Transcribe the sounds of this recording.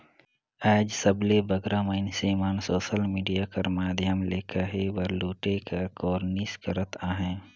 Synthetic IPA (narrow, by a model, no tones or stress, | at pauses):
ɛːd͡ʒsəblebəɡɾaməɪnseːmaːnsoːʃəlmiːɖijakəɾmaːd̪ʱjəmleːkʰaɦebəɾluːʈekakɔːɾniskəɾət̪ʰaːɦɛ̃ː